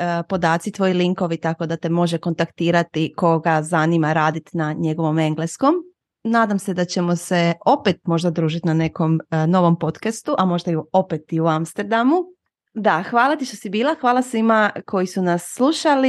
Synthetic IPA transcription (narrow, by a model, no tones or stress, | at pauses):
po̞d̪aːt̪sit̪ʋo̞jiliŋko̞ʋit̪ako̞d̪at̪e̞mo̞ʒeko̞nt̪akt̪iːɾat̪iko̞ɡazanimaɾaːd̪it̪naɲe̞ɡo̞ʋo̞me̞ŋɡlesko̞m | naːd̪amse̞d̪at͡ɕe̞mo̞se̞o̞pet̪̚mo̞ʒd̪ad̪ɾuːʒit̪inane̞ko̞mno̞ʋo̞mpo̞t̪kast̪uʔamo̞ʒd̪aiopet̪iuamst̪eɾd̪amu | d̪axʋaːlat̪iʃt̪o̞sibiːlˠaxʋaːlˠasʋimakʰo̞jisunasːlˠuʃali